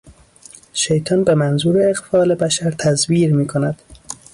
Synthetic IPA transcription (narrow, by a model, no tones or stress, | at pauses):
ʃe̞jt̪ʰɒːnbe̞mænzuːɾeːɣfɒːle̞bæʃæɾt̪ʰæzviːɾmiːkʰo̞næd̪̥